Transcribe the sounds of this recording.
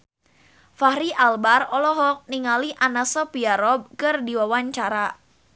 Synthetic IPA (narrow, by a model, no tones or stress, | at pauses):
fahɾiʔalbarɔlɔɦɔk̚niŋaliʔanasɔpiaɾɔb̚kɨrdiwawaɲt͡ʃaɾa